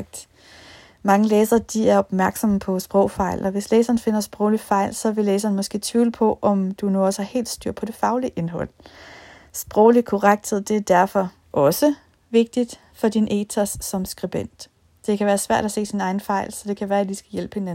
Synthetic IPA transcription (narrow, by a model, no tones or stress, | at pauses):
ɡ̥̚d̥ | mɑ̈ŋəleːsɐːd̥iæɐɒ̽b̥mæɐɡ̥sɒ̽məpʰɒ̽sb̥ʁɔʊfɑ̈ɪ̰lʔɒ̽ʋe̝sleːsɐːn̩fe̝n̰ɐsb̥ʁɔ̽ʊlifɑ̈ɪ̰lsɒ̽ʋe̝leːs̬ɐːn̩mɒ̽sɡ̥e̝̰ːt͡sʰʋḭːləpʰɒ̽ʔɒ̽md̥unuɒsəhɑhe̝̰ːld̥sd̥yɐ̰pʰɒ̽d̥e̝fɑ̈ʊliʔe̝nɦɒ̽l̰ | sb̥ʁɔʊlikʰɔʁaɡ̥d̥he̝ð̞̰ˠd̥e̝æɐd̥æɐfɒ̽ | ʔɒ̽sə | ʋe̝ɡ̥̚d̥id̥ | fɒ̽d̥inʔeːt͡sʰæsːɒ̽msɡ̥ʁib̥en̰d̥ | d̥e̝kʰæʋæːɐsʋæɐ̰ɾ̥æse̝̰ːsinɑ̈ɪn̩fɑ̈ɪ̰lsɒ̽d̥e̝kʰæʋæːɐædisɡ̥æjelb̥ə̥he̝næ